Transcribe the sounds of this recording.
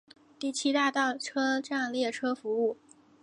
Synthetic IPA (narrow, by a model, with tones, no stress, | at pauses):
t̪i˥˩t͡ɕʰi˥t̪a˥˧t̪ɑ˥˩ʊʈ͡ʂʰɤ˥ʈ͡ʂa˥˧nljɛ˥˩ʈ͡ʂʰɤ˥fu˧˥u˥˩